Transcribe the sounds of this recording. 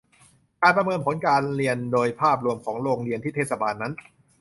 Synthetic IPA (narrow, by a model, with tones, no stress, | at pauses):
kaː˧npɾa˧mɤː˧npʰo˩˦nkaː˧nɾi˧əndoː˧jpʰaː˥˩p̬̚ɾu˧əmkʰɔː˩˦ŋɾoː˧ŋɾi˧ənt̪ʰi˥˩eː˥˩sa˧baː˧nːa˦˥n